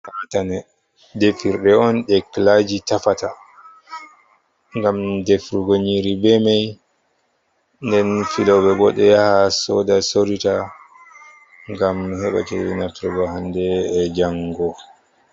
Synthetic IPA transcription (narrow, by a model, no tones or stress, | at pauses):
katanɛ | defiɾɗɛɔnɗɛklad͡ʒitafata | ŋɡamdefɾuɡoɲiɾibɛmaj | ndɛnfilɔbɛɡɔɗɛjahasɔdasoɾita | ŋɡamhɛɓa̰t͡ʃɛ̰ɛnatɾɛɡɔhandɛːd͡ʒaŋɡɔ